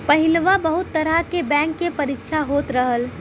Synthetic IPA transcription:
pɐɦɪlʋabəɦʊt̪ːəɾakebɛ̃ːŋkːepɐɾɪkʃʰaɦoːt̪ɾəɦəl

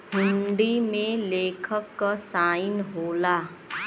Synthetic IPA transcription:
ɦʊɳɖimẽleːkʰəkːasaːɪnɦoːlaː

